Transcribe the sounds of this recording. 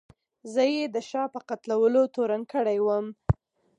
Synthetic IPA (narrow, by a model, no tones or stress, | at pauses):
zəjed̪əʃɑpəqat̪lawəlot̪oɾankəɽajwəm